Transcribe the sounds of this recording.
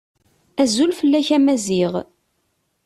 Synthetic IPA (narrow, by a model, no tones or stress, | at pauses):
æzulfəlːæçæmæziʁ